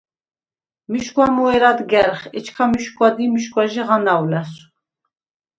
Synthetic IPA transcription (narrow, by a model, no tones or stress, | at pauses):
miʃkʼwamuɛɾad̪ɡɛɾχɛt͡ʃʰkʰamiʃkʼwad̪imiʃkʼwaʒiʁanawlɛs